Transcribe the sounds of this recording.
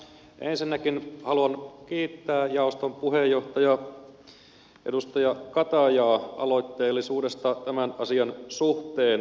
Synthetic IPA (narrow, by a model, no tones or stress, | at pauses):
ʔensinːækinhɑluɑnkiːt̪ːæːjɑost̪ompuɦejːoht̪ɑjɑ | ʔḛdust̪ɑjɑkɑt̪ɑjɑːɑ̰lo̞it̪ːeːlːisuːdest̪ɑt̪æmænɑsiɑnsuht̪eːn